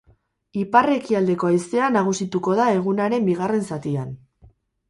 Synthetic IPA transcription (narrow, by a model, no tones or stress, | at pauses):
ipare̞kiald̪e̞ko̞ajse̞anaɣ̞usit̪uko̞ðae̞ɣ̞unaɾe̞mbiɣ̞are̞nsat̪ian